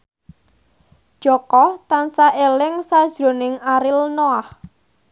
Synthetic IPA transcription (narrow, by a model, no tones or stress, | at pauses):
ʒ̥ɔkɔt̪ansaʔelɪŋsad̥ʒ̥ɾo̤nɪŋaɾɪlnoah